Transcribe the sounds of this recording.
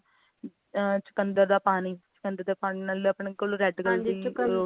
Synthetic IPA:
t͡ʃʊ̥kənd̪əɾd̪aːpaːniːt͡ʃʊ̥kənd̪əɾd̪eːpaːniːnaːld̪eəpɳeːkoluɾɛːɖɡəld͡ʒiː

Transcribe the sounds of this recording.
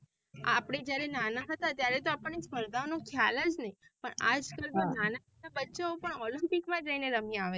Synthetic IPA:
apɽed͡ʒjaɾenanaɦət̪at̪jaɾɛt̪oapəɳːisməɾd̪anokʰjaləd͡ʒnəi | pəɳa̰d͡ʒkəlmənanaɦət̪abəːʃaopəɳɔlimpikmãd͡ʒəineɾəmiaʋe

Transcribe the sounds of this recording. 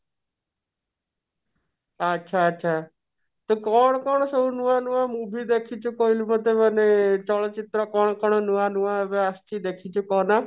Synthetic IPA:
ətːʃʰaətːʃʰaː | t̪okɔɳ̃kɔɳ̃səunuãnuãmũːbʱid̪eːkʰit͡ʃʰukoilməd̪ʱemənet͡ʃɔɭt͡ʃit̪ɾɔkɔːɳ̃kɔɳ̃nuãnuʋãbeəst̪iːd̪eːkʰit͡ʃʰukɔːna

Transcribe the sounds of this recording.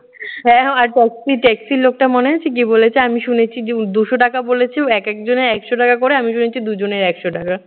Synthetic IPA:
ɦɛ̃aɾʈɛksiʈɛksilok̚ʈamoneat͡ɕʰik̬ibolet͡ɕʰeamiʃunet͡ɕʰid̪uʃoʈakabolet͡ɕʰeɛkɛkd͡ʑoneɾɛkʃoʈakakoɾeamiʃunet͡ɕʰid̪ud͡ʑoneɾɛkʃoʈaka

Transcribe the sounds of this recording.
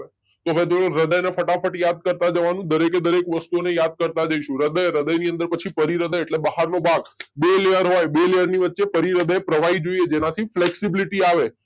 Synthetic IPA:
t̪oʋet̪oɾəd̪əjnefəʈafʰəʈjad̪̚kəɾt̪ad͡ʒəʋanũd̪əɾeked̪əɾekʋəst̪uonejad̪̚kəɾt̪ad͡ʒəiʃũɾəd̪əjɾəd̪əjniə̃nd̪əɾpət͡ʃʰipəɾiɾəd̪əjeʈlebəɦaɾnobʱaɡbelejəɾɦojbelejəɾniʋətːʃepəɾiɾəd̪əjpɾəʋaid͡ʒoied͡ʒenat̪ʰifleksibiliʈiaʋe

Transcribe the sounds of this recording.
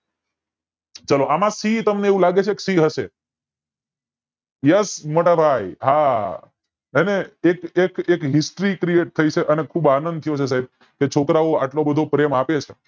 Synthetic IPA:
t͡ʃəloʔamãsit̪əmneeːʋũlaɡet͡ʃʰeksiɦəʃe | jəsmoʈəbʱajɦa | eneekekekɦɪsʈɾikɾieʈ̚t̪ʰəit͡ʃʰeʔənekʰubanənd̪̚t̪ʰəjot͡ʃʰes̬aɦib̚ | ket͡ʃʰokɾaoaʈlobəd̪ʱopɾemapet͡ʃʰe

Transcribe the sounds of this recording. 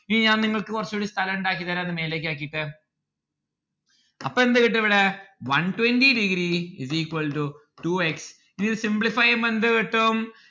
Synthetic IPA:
iniɲaːnniŋːɐɭkɨkurɐt͡ɕːɐuɽist̪ʰɐlɐmuɳɖaːkːiðɐːɾeɐðɨme̞ːleːkːaːk̬ːijiʈːɨ | ɐ̰pːɐend̪ɨkiʈːɐʋiɽeʋɐnʈwendiɖiɡɾiḭziːkwɐlʈu | ʈuːeks | inːiɾɨsimbɭifɐjɐmend̪ɨkiʈːum

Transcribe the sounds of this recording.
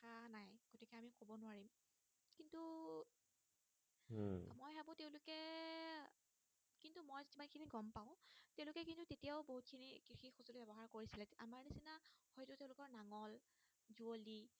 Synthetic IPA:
anajɡ̥otikɛamikobɔnʊaɹim | kintu | mojɦabʊ̃teʊ̃lʊkɛ | kintumojzitimankʰiniɡɔmpaʊ̃teʊ̃lʊkɛkintutetijaʊboɦut̚kʰinikɹixixuzolbɛbɔɦaɹkoɹisilɛamaɹnisinahɔjtʊteʊ̃lʊkɔɹnaŋɔl | zuoli

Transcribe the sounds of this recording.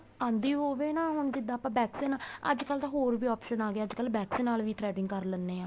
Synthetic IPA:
ãːnd̪iːɦoːʋeːnaːɦʊnd͡ʒɪd̪ːaːpãːbɛːksiːnaːə̰d͡ʒkəlːd̪aːɦoːɾʋiːɔːpʃənaːɡeaːəd͡ʒkəlbɛːksĩːnaːlʋiːʈɾɛːɖɪŋɡkəɾlənːeːãː

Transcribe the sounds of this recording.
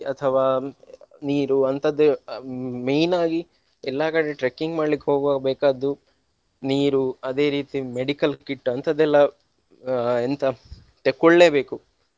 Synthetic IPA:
ɐt̪ʰɐʋaː | niːɾuɐnt̪ɐd̪ːu | mejnaːɡi | ɛlːaːkɐɽeʈɾekːiŋɡmaːɖlikːeɦoːɡabɛːkaːd̪u | niːɾuɐd̪e̞ːɾiːt̪imeɽikɐlkiʈːɐnt̪ɐd̪ːɛlːɐ | ent̪ɐ | t̪ekːoɭːeːbe̞ːku

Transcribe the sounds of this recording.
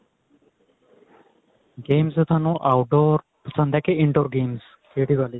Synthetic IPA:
ɡeːmset̪ʰaːnũʔaːwɖoːɾ | pəsə̃nd̪ɛːkeɪɳɖoːɾɡeːms | kʰeːɽiːʋaːli

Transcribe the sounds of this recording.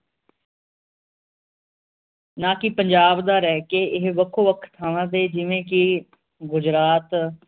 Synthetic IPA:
nãːkɪpəɲd͡ʒaːbd̪aːɾɛːkeːɪɦʋəkʰoːʋəkʰt̪ʰːaːʋãːt̪eːd͡ʒɪʋẽːkɪ | ɡʊd͡ʒɾaːt̪

